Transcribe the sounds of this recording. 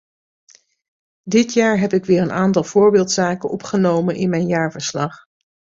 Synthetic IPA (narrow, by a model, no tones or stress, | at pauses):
dɪtjaːɹɦɛpɪkʋɪːɹənaːntɑlˠvʊːɹbɪːlˠtsaːkənɔpχənowmənʔɪnmɛjnjaːɹvəɹslɑχ